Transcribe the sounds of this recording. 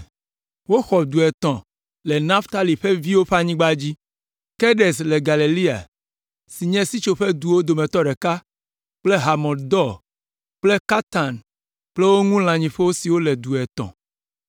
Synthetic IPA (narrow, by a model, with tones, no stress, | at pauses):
wo˦xɔ˨d̪u˨ɛ˨t̪ɔ̃˨ | lɛ˨nã˦ft̪a˦li˨ɸe˦vi˦wo˦ɸa˦ɲĩ˦ɡ͡ba˦d͡ʑi˦ | ke˦ɖe˨sle˨ɡa˨le˨li˦a̰˨ | si˨ɲɛ̃˦si˦t͡ʃo˨ɸe˦d̪u˨wo˦d̪o˨mɛ̃˨t̪ɔ˦ɖɛ˨ka˦ | k͡ple˦ɦa˨mɔ̃˨d̪d̪ɔ˦˨ | k͡ple˦ka˦t̪a˨n | k͡ple˦wo˦ŋũ˦l̃ã˨ɲĩ˨ɸe˦wo˦si˨wo˦le˨d̪u˨ɛ˨t̪ɔ̰̃˨